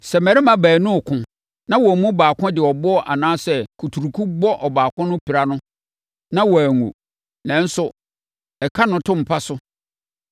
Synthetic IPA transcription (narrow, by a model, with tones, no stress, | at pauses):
sɛ˨mɛ˨ɾɪ˦mã˨bæː˨nʊ̃˦˨kʰʊ̃˨ | nã˦wɔ˨mũ˦baː˨kʰʊ̃˦dɪ˨ɔ˨bɔ˦ɔ˦ʔa̰˨nãː˦sɛ˨kʰu˨tʰu˨ɾu˨kʰũ˦bɔ˦ʔɔ˨baː˨kʊ̃˦nʊ̃˦pʰi˨ɾa˦nʊ̃˦ | nã˦wɔ˨æ˨ŋṵ˨ | nɛ̃˨n̩˦sʊ˦ | ɛ˨kʰa˦nʊ̃˨tʰʊ̃˦m̩˨pʰa˦sʊ˦